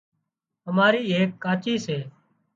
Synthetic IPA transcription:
ɦəmaːɾiːeːkːaːt͡ʃiːseː

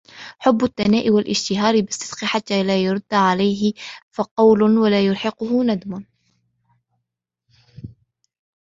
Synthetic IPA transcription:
ħʊbːʊθːanaːʔɪwalʔɪʃt̪ɪɦɑːɾɪbɪst̪ːɪsqɪħat̪ːaːlaːjʊɾˤʊd̪ːʕalajɦɪfɑqɑwlʊwalaːjʊɾħɑqʊhʊnad̪mʊn

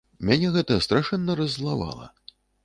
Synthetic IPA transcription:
mʲanʲɛɣɛt̪ɐst̪ɾaʂɛnːɐɾɐzlˠava̰lˠɐ̰

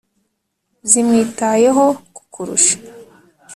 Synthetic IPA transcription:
zimŋiːtaje̞ɦo̞ku̥kʰuɾṵʃḁ

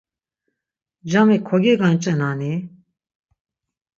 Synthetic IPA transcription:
d͡ʒamɛkʰɔɡɛɡant͡ʃʼɛnani

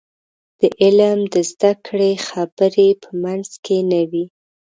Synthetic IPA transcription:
d̪̥əʔɪlmd̪əzd̪akɽexabəɾepʰəmanz̥kʰenəwi

